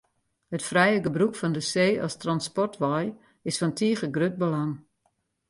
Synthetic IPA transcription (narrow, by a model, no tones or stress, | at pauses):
hətfrɛjəɡəbrukfɔndəseːɔ̰stranspɔrtʋɔj | ɪsfɔntʰiəχəɡrøt̚bəlaŋ